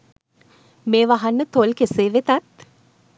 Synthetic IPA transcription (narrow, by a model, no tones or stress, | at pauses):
meːʋaɦanːət̪olkeseːʋet̪at̪